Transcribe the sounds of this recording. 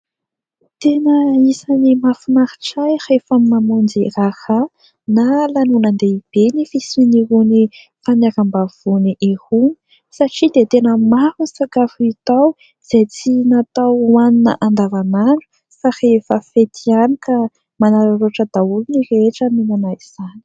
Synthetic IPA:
t̪enəisanimafunaɾi̥ʈ͡ʂajhefammamund͡ziraha | nalanunənd̪eib̥enifisiniɦuni | fanakambav̥uniʔehuni̥ | saʈ͡ʂid̪et̪enəmahunsakafuit̪aw | z̥ejt͡sinat̪awwaninə̰ʔand̪avanaɖ͡ʐu̥ | fahefəfet̪ʰianikə | manaɾaɾoʈ͡ʂəd̪̥aulunireʈ͡ʂəminanaiz̥ani̥

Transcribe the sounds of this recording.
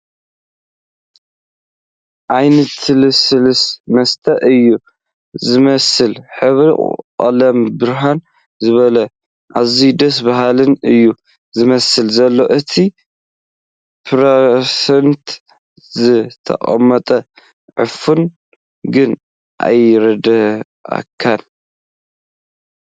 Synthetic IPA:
ʔajnɐt̪ɨlɨsɨlɨsmɐst̪ʰɐʔɨjːu | zɨmɐsɨlħɨβɾḭqʼa̰lɐmbɨɾɦan | zɨβɐlɐ | ʔazid̪ɐs̬baɦalɨnɨjːu | zɨmɐsɨlzɐlːo̞ʔɨt̪ʰi | pʰɾesent̪ | zɨt̪ʰɐ̰qʼɐ̰mːɐt̪ʼɐ | ʕɨfun | ɡɨn | ʔa̰jɾɐd̪ɐ | ʔa̰kʰːan

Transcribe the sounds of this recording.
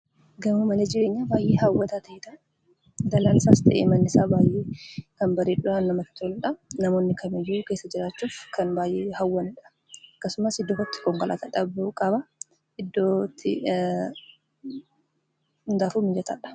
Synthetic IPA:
ɡɐmumɐleːd͡ʒɪɾe̞ːɲːabaːjʔeːhɐwːɐt̪at̪ɐɪt̪ɐ | d̪ɐlaːnɪsast̪ʰɐ̰ʔḛːmɐnːɪsaːbaːjʔeːkɐnbɐɾeːᶑʊaːnːɐmɐt̪ɪ̥t̪ʰɔlᶑɐnɐmo̞ːnːɪkʰɐmɪjːuke̞ːsːɐd͡ʒɪɾaːt͡ʃːuːfkɐnbaːjʔeːhɐwːɐnɪᶑɐ̥ | ɐkːɐsʊmɐsɪd̪ːɔːkɐt̪ːɪ̥kɔŋkɐlʔa̰ːt̪ɐᶑɐbɪʔuːkʼɐbɐ | ɪd̪ːoːt̪ʰːɪ̰ | nd̪aːfuːmɪd͡ʒɐt̪ʰɐ̰ᶑɐ̥

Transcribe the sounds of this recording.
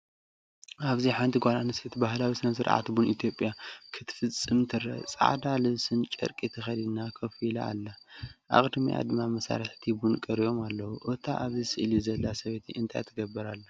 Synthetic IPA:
ʔaβziħajnt̪ʰiɡʷalanɨset̪bahlawisɨnɐsɨɾʕa̰t̪bunit̪ʰjo̞pʼːjakʰɨt̪ʰɨ̥fɨt͡sʼːɨmt̪ʰɨɾɐ̰t͡sʼa̰ʕd̪alɨβsɨnt͡ʃʼɨ̰ɾkʼit̪ʰɨxɐd̪inakʰɐfila̰ːlːaʔa̰χʼd̪miʔa̰d̪ɨmamɐsa̰ɾɨħt̪ʰibunkʼɐɾijo̞malːɐwuʔot̪ʰa̰ʔaβzisɨʔlizɐlːasɐβet̪ʰiʔɨnt̪ʰa̰jt̪ʰɨɡɐbːɨɾalːɐ

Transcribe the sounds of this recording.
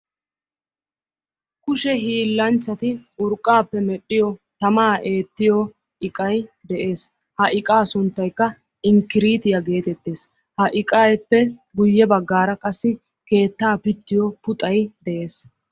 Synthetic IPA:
kʊʃɛɦiːlːɐnt͡ʃːɐt̪ɪʊɾkʼːaːpːɛmɛɗːɪjɔt̪ɐmaːʔe̞ːt̪ːɪjɔ | ʔɪkʼɐjd̪ɛʔe̞ːs | hɐʔɪkʼaːsʊnt̪ːɐjkːɐ | ɪŋkːɪɾiːt̪ɪjɐɡe̞ːt̪ɛt̪ːe̞ːs | hɐʔɪkʼajpːɛɡʊjːɛbɐɡːaːɾɐkʼɐsːɪ | ke̞ːt̪ːaːpɪt̪ːɪjɔpʊt̪ʼɐjd̪ɛʔe̞ːs

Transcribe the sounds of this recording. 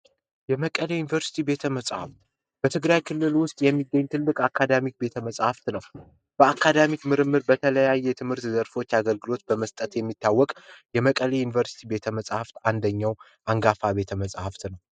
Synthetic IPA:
jɛməkʼəlejunivəɾsi̥t̪ʰibe̞t̪ʰəməsʼha̰ft̪ | b̥ət̪ʰɨɡɾajkʰɨlːɨlwʊst̪ʼjɛmːiɡːəɲːt̪ʰɨlːɨkʼakʰːad̪amik̚be̞t̪ʰəməsʼhaft̪nəw | b̥əakʰːad̪amikmɨɾɨmːɨɾbət̪ʰələjajːɛt̪ʰɨmhɨɾt̪zəɾfo̞t͡ʃːaɡəlɡɨlo̞t̪̚bəməst̪ʼət̪jɛmːit̪ʰːawːɔkʼjɛməkʼəlejunivəɾsi̥t̪ʰibe̞t̪ʰəməsʼhaft̪and̪əɲːaw | ʔaŋɡafabe̞t̪ʰəməsʼhaft̪nəw

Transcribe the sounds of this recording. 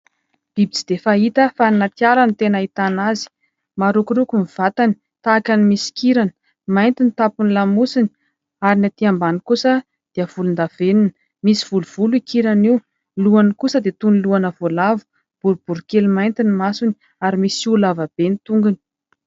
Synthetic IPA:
b̥ibit͡si̥d̪efaɦit̪əfaninat̪ialanit̪enait̪anazi̥ | maɾukuɾukumiv̥at̪ani̥ | t̪aːkanimisi̥kiɾan | majnt̪init̪apunilamusini̥ | aɾinat̪iambanikusə | d̪̥eəv̥ulund̪avenin | misiv̥uluv̥uluikiɾaniu | luanikusəd̪et̪uniluanəvolavu̥ | b̥uɾub̥uɾukelmajnt̪inimasuni | aɾimisiulavab̥enit̪uŋɡuni̥

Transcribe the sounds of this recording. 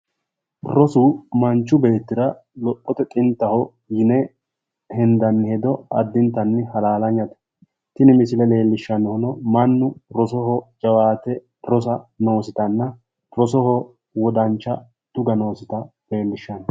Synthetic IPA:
rɔsuːmɐnt͡ʃːʊbe̞ːt̪ːɪɾɐ | lɔpʼːɔt̪ɛt̪ʼɪnt̪ːɐhɔ | jɪnɛ | hɛnd̪ɐnːɪhɛd̪ɔɐd̪ːɪnt̪ːɐnːɪhɐlaːlɐɲːɐt̪ɛ̥ | t̪ɪnɪmɪsɪlɛle̞ːlːɪʃːɐnɔhɔnɔmɐnːʊɾɔsɔɦɔd͡ʒʼɐwaːt̪ɛ | ɾɔs̬ɐno̞ːsɪt̪ɐnːɐ | rɔsɔhɔ | wɔd̪ɐnt͡ʃːɐ | t̪ʊɡɐno̞ːsɪt̪ɐ | le̞ːlːɪʃːɐnɔ

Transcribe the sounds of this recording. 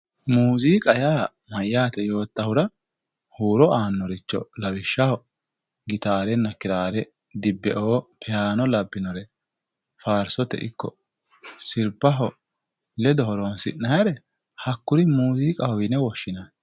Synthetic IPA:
muːziːkʼɐjaː | mɐjːaːt̪ɛjo̞ːt̪ːɐhʊɾɐ | huːɾɔaːnːɔɾɪt͡ʃːɔ̰lɐwɪʃːɐhɔ | ɡɪt̪aːɾɛnːɐkɪɾaːɾɛ | d̪ɪbːɛʔoːpʰɛjaːnɔlɐbːɪnɔɾɛ | faːɾsɔt̪ɛ̰ʔɪkːɔ̰ | sɪlpːɐɦɔ | lɛd̪ɔɦɔɾonsɪnɐjɐɾɛ | hɐkːʊɾɪmuːziːkʼɐhɔwɪnɛwɔʃːɪnan

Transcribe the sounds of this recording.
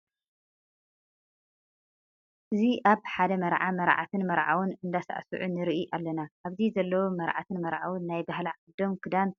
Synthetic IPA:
ʔɨziʔaβħad̪ɐmɐɾʕamɐɾʕa̰t̪ʰɨnmɐɾʕa̰wunɨnd̪asa̰ʕsɨ̰ʕunɨɾɨʔiʔalːɐnaʔaβzizɐlːɐwumɐɾʕa̰t̪ʰɨnmɐɾʕa̰wunːajbaɦlaʕɨd̪o̞mkʰɨd̪an

